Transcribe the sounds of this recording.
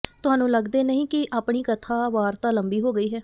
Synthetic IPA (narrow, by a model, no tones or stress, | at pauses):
t̪ʊɦaːnũːləɡd̪eːnəɦĩːkɪʔaːpɳ̃iːkət̪ʰaːʋaːɾt̪ãːləmbiːɦoːɡəiːɦɛː